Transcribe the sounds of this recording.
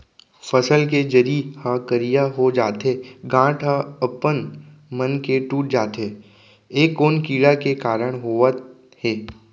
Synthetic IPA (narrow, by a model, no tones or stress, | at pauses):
fəsəlked͡ʒəɾihãkəɾijaɦod͡ʒaːt̪eːɡãːʈʰə̃ɐpən | mənkeʈuːʈ̚d͡ʒaːt̪ɦeː | eːkːoːnkiːɽakekaːɾəɽ̃ɦoːʋət̪ | eː